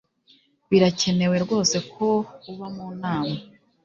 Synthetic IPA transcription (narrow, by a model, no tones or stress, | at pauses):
βiɾace̞ne̞we̞ɾɡwo̞ːse̞kʰo̞uβamuːnaːma